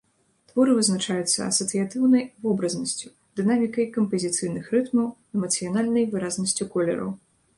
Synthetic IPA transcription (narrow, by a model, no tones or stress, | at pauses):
t̪vɔɾɨvɨznat͡ʂajut̪sːɐ̰ɐ̰sɐt̪sɨjat̪ɨwnɐjvɔbɾɐznɐsʲt͡sʲu | d̪ɨnamʲikɐjkɐmpɐzʲit̪sɨjnɨxrɨt̪mɐw | ɛmɐt̪sɨjanalʲnɐjvɨɾaznɐsʲt͡sʲukɔlʲɛ̰ɾɐ̰w